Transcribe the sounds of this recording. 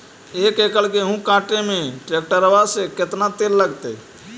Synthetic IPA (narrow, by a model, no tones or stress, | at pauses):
ekekəlkeɦũkãːʈemẽʈɾek̚ʈəɾəʋaseket̪nat̪elləɡt̪e